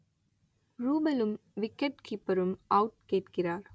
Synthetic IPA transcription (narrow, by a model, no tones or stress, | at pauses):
ɾuːbɐlumʋɪkːeʈkʰiːpɐɾumɐwʈ̚keːʈkɪɾaːɾ